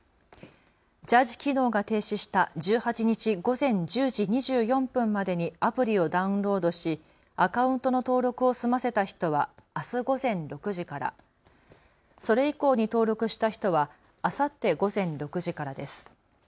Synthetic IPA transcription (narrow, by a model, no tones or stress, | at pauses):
d͡ʑaʑi̥kʲino̞ːɡat̪e̞ːɕiɕi̥t̪ad͡ʑɨːhat͡ɕiɲ̟it͡ɕiɡo̞zẽ̞ɲ̟d͡ʑɨːʑiɲ̟iʑɨːjõ̞mpɯ̟̃mːad̪e̞ɲ̟iapɯ̟ɾʲio̞d̪aɯ̟̃nɾo̞ːd̪o̞ɕi | akaɯ̟̃nt̪onot̪o̞ːɾo̞kɯ̟o̞sɨmase̞t̪açi̥t̪o̞βaːsɨɡo̞zẽ̞nɾo̞kɯ̟ʑikaɾa̰ | so̞ɾe̞iko̞ːɲ̟it̪o̞ːɾo̞kɯ̟ɕi̥t̪açi̥t̪o̞βaː | sat̪ːe̞ɡo̞zẽ̞nɾo̞kɯ̟ʑikaɾad̪e̞sɨ̥